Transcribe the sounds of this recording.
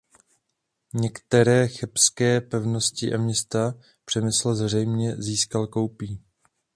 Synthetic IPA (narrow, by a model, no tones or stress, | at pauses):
ɲɛkt̪ɛɾɛːxɛpskɛːpɛvno̞scɪʔamɲɛst̪a | pr̝̥ɛmɪsl̩zr̝ɛjmɲɛziːskalkowpiː